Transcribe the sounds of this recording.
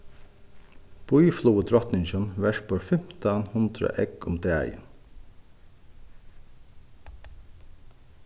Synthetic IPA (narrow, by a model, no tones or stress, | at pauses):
pʰoːyːfluːəd̪ʰɾɔt̪nɪŋʃɔnʋæʃpoːɹfɛmt̪ʰəɑnhʊnd̪ɾə̰ʔɛɡʊmd̪eæ̰ɪə̰n